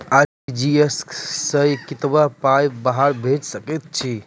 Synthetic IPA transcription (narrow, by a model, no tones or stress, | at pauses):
aid͡ʒiessə̃jkit̪bapajbaɦaɾbʱed͡ʒsəkɛt̪̚t͡ʃʰi